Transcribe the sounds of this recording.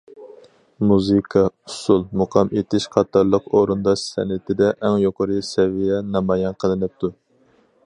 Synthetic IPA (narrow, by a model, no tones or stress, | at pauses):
muzɨkʰɑusulˠmuqʰɑmʔet̪ʰɪʃqʰɑt̪ʰːɑɾlˠəqoɾund̪ɑʃsɛ̰nɪt̪ɪd̪ɛʔɛŋjoqʰəɾɨsɛvijɛnɑmɑjɛnqʰəlˠɨnɨp̚t̪ʰu